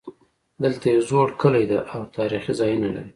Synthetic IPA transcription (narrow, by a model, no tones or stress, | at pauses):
d̪əlt̪ajezoɽkəlajd̪aʔawt̪ɑɾixizɑjənala̰ɾi